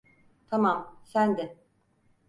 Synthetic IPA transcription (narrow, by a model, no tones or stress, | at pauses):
t̪ʰamamsænd̪ɪ